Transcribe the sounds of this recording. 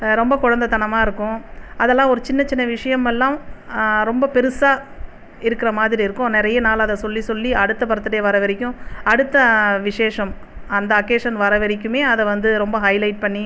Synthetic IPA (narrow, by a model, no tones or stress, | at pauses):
ɾɔmbɐkʊɻɐnd̪ɐt̪ɐnɐmaːɪɾɯkːʊ̃ɐðɛlːãːɔɾɯt͡ʃɪnːɐt͡ʃɪnːɐʋɪʂɐjɐmɛlːãːɾɔmbɐpɛɾɯsaː | ɪɾɯkːɪɾɐmaːðɪɾiɪɾɯkːʊ̃nɪɾɐjɐnaːlɐðɛsɔlːisɔlːiʔɐɽɯt̪ːɐpɐɾɐt̪ːɯɽɐjɐʋɐɾɐʋɐɾɪkʲːʊ̃ɐɽɯt̪ːɐʋɪʂeːʂɐm | ɐnd̪ɐɐkːeːʂɐnʋɐɾɐʋɐɾɪk̬ʲːɯmeːɐðɛʋɐnd̪ɯɾɔmbɐɦɐɪlɐɪʈ̚pɐɳːi